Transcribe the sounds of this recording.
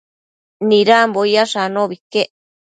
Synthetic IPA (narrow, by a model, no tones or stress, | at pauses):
nĩɾambojaʂanõβikeʔ